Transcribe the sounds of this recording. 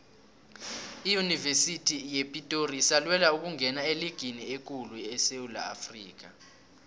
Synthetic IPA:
ijunivesitʰʼijepʼitʼoriːsalwɛlauk̬uŋʱɛnaeliɡ̥ʱiniek̬ʼuluɛseula̰ːfriːk̬a

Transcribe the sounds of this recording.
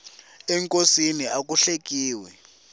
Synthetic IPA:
ɛŋkʼosiniak̬uɬek̬iːwɛ

